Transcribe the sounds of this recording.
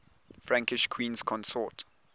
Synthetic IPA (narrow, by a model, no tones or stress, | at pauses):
fɹãŋkɪʃkʰwĩːnskʰɔ̃nsɔt